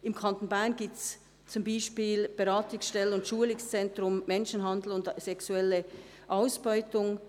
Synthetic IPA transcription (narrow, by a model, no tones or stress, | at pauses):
ʔɪmkʰantn̩baɪnɡiːp̚tt͡s | t͡sʊmbaɪʃpiːlb̥eʁaːtʊŋsʃtɛlənʊntʃuːəlɪst͡sɛntʁʊmmɛnʃn̩ɦandl̩ʊndsɛksuɛlə | ʔaʊsb̥ɔʏtʊŋ